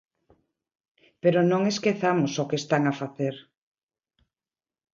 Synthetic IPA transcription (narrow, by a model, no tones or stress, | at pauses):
peɾonõŋeskeθamosokest̪aŋafaθeɾ